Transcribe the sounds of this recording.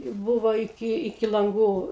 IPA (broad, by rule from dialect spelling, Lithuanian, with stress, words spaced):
ˈbʊʋoː ɪˈkʲɪ ɪˈkʲɪ lˠɐŋˈɡuː